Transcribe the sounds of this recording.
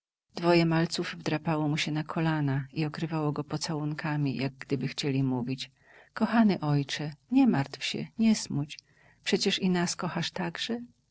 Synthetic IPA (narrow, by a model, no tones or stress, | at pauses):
d̪vɔjɛmalt̪suvvːd̪ɾapawɔmuɕɛnakʰɔlanaiɔkɾɘvawɔɡɔpɔt̪sawuŋkʰamʲijaɡ̚ɡd̪ɘbɘxt͡ɕelʲimuvʲit͡ɕ | kɔxanɛʔɔjt͡ʂɛɲɛmaɾt̪fɕɛ̰ɲɛsmut͡ɕ | pʂɛt͡ɕɛʂinaskɔxaʂt̪aɡʐɛ